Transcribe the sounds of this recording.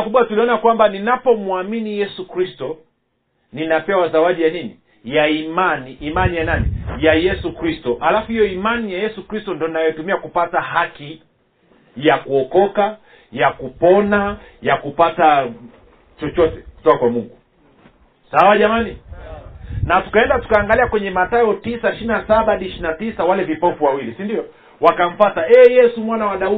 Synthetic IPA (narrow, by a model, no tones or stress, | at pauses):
kuɓwatuliɔnakwambaninapɔmuaminijɛsukɾistɔ | ninapɛwazawaɗijanini | jaimaniʔːmanijananḭjajɛsukɾistɔʔalafuhijɔimanijajɛsukɾistɔndɔninajɔtumiakupataɦaki | jakuɔkɔka | jakupɔnajakupata | t͡ʃɔt͡ʃɔtɛku̥tɔkakwamuŋɡu | sawaʄamani | natu̥kaɛndatu̥kaːŋɡaliakwɛɲɛmatajɔtisaʃinasaɓaɗiʃinatisawalɛvipɔpuwawilisindiɔ | wakaɱ̩fataɛjɛsumwanawaɗau